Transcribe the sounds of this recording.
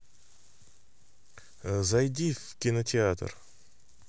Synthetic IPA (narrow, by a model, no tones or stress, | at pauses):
zajd̪ʲifkʲinot̪ʲeat̪r